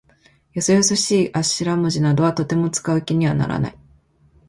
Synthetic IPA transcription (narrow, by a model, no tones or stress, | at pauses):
josojosoɕiːʔaɕiɾamɯ̟ʑinad̪o̞βat̪o̞t̪e̞mo̞t͡sɨ̥kaɯ̟kʲiɲ̟iβana̰ɾa̰na̰i